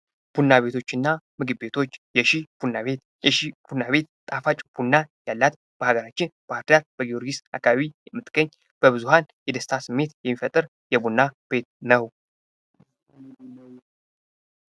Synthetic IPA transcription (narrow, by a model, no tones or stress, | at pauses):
b̥unːaβe̞t̪ʰo̞t͡ʃːɨnːamɨɡɨbːe̞t̪ʰo̞t͡ʃːjɛʃib̥unːaβet̪ | jɛʃib̥unːaβe̞t̪t̪ʼafat͡ʃʼb̥unːajalːat̪ | b̥əhaɡəɾat͡ʃːɪnb̥əaɾt̪jaɾb̥əɡijo̞ɾɡisa̰kːaβaβijɛmːɨt̪ʼɡ̥əɲː | b̥əβɨzuhanjɛd̪əst̪ʰasɨmːe̞t̪jɛmːifət̪ʼːɨɾ | jɛbunːab̥e̞t̪nəw